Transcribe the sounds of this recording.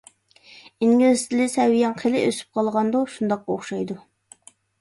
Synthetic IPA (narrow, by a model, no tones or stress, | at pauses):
iŋɡʲilɪst̪ʰɪlɪsɛwːijɑŋqʰəlɪʔøsy̥p̚qʰɑlˠʁɑnd̪oʃund̪ɑqːɑoχʃɑjd̪u